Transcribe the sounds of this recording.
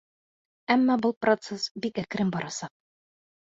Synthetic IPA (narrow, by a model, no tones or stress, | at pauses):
æmːɑbulˠprot̪sesbikækɘ̆ɾɘmbɒɾʔɑsɑq̚